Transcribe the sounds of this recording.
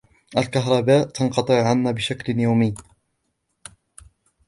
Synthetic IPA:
ʔalkaɦɾˤɑbaːʔt̪ɑnqɑt̪ˤɨʕʕanːabɪʃaklnjawmɪjː

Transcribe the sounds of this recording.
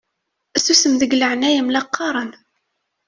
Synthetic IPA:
æsusəmðəɡləʕnæjəmlɑqːɑɾˤən

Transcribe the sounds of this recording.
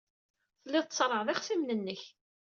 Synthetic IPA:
θəlːɪðˤt̪sˤɾˤːəʁðiχθimnənːəç

